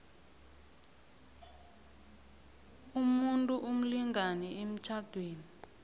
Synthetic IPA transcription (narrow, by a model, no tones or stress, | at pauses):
umuntʼuʔum̩liŋɡanɛem̩t͡ʃʰad̥ʱweːni